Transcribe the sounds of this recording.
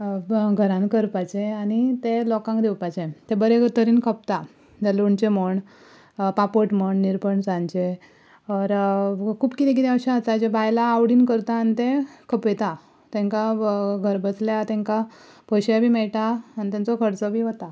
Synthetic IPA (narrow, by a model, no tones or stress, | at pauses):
ɡʱəɾãnkəɾpat͡ɕeanit̪elɔkãŋkd̪ewpajt͡ɕet̪ebəɾet̪əɾiːnkʰəp̚t̪a | d͡zaluɳt͡ɕeməɳ | papoʈməɳniɾpəɳd͡zãnt͡ɕe | ɔɾkʰuːbkit̪ẽk̬it̪ɛ̃əɕaət͡sad͡ʑebʱajlaːʋɽiːnkəɾt̪aːnit̪ẽkʰəpejt̪a | t̪ɛ̃ŋkaɡʱəɾbəsljat̪ɛ̃ŋka | pəɕjabʱiːmɛɭʈ̪aːnit̪ãnt͡sɔkʰəɾt͡sɔbʱiːʋət̪a